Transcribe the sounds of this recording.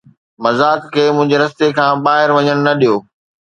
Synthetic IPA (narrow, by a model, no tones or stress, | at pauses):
mɐzaːkkʰːeːmʊ̃ɦɪ̃ɲd͡ʑeɾɐst̪ekʰãːɓaːɦɪɾʋɐɲəɽ̃nɐɗijoː